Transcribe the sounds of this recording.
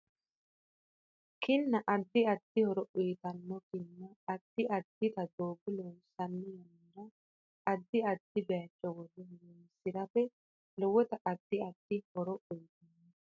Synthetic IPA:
kɪnːɐʔɐd̪ːɪɐd̪̥ːɪhɔɾɔʔʊjt̪ɐnːɔkɪnːɐːd̪̥ːɪʔɐd̪ːɪt̪ɐd̪oːbɪlɔnsɐnːɛjɐm | ɾɐ | ɐd̪ːɪɐd̪̥ːɪbɛɐt͡ʃʼːɔwɔd̪ɛhɾɛnsɪɾɐfɛ | lɔwɔt̪ɐʔɐd̪̥ːɪɐd̪̥ːɪhɔɾɔʊjt̪ɐnːɔ

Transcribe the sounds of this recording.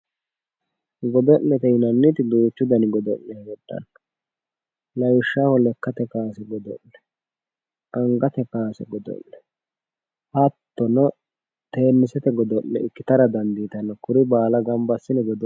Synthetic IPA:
ɡɔd̪ɔʔnɛt̪ɛɪnɐnːit̪ɪd̪uːt͡ʃːʊd̪ɐnɪɡɔd̪ɔʔːɛhwɔdːɐ̰nɐ | lɐjʊʃːahɔlɛkːɐt̪ɛkaːsɛɡɔd̪ɔ̰ʔnɛ | ɐŋɡɐt̪ɛkaːsɛɡɔd̪ɔ̰ʔnɛ | hɐt̪ːɔnɔ | t̪e̞ːnːɪsɛt̪ɛɡɔd̪ɔʔːɛ̰ɪkːɪt̪ɐɾɐd̪ɐnd̪iːt̪ɐnːɐkʊɾɪbaːlɐɡɐmbɐsːɪnɛɡɔd̪ɔ

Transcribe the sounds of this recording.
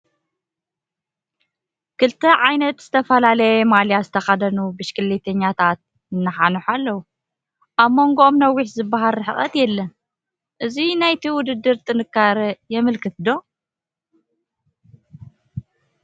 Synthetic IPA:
kɨlt̪ʰɐʕajnɐt̪z̥ɨt̪ʰɐfɐlalɐjɛmaljazɨt̪ʰɐxad̪ɐnubɨʃkʼɨlːet̪ʰɐɲːat̪ʰat̪̚ | ɨnːɐħanuħalːɐwu | ʔaβmo̞ŋɡoʔomnɐwːiħzɨbːaɦalɨħɨχʼɐt̪jɛlːɐn | ʔɨzinajt̪ʰiwʊd̪ɨd̪ːɨɾt̪ʼɨnɨkːaɾɐjɛmɨlkʰɨt̪d̪o̞

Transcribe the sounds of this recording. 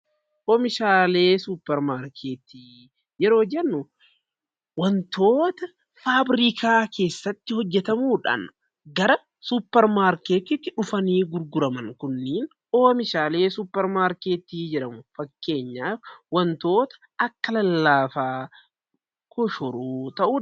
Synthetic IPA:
ʔoːmɪʃaːle̞ːsuːpːɛɾmaːɾkʰeːt̪iː | jɛɾo̞ːd͡ʒɛnːʊ | wɐnt̪o̞ːt̪ɐ | faːbɾikʰaːkʰe̞ːsːɐt̪ːɪhɔd͡ʒːɛt̪ɐmuːᶑa̰n | ɡɐɾɐ | suːpːɛɾmaːɾkeːt̪ɪt̪ːɪᶑʊfɐniːɡʊɾɡʊɾɐmɐŋkʊnːiːn | ʔo̞ːmɪʃaːle̞ːsuːpːɛɾmaːɾkeːt̪iːd͡ʒɛᶑɐmʊfɐkːe̞ːɲːaːfwɐnt̪o̞ːt̪ɐ̥ | ɐkːɐlɐlːaːfaː | kʰɔʃɔɾuːt̪ɐʔuː

